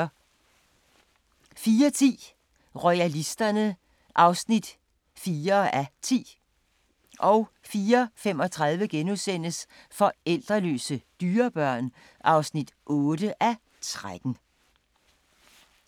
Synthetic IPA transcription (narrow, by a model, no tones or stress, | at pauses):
fiːɐt͡sʰḭː | ʁɔɪælisd̥ɐnə | ʔɑ̈ʊsnid̥ | fiːɐæt͡sʰḭː | ʔɒʊ | fiːɐfem̰ɒ̽t͡sʰʁɑðˠʋəɡ̥enusen̰əsfɒ̽el̰d̥ʁɐlø̰ːsəd̥yːɐb̥ɶɐ̰n | ʔɑ̈ʊsnid̥ʔɔːd̥əʔæ | t͡sʰʁad̥n̩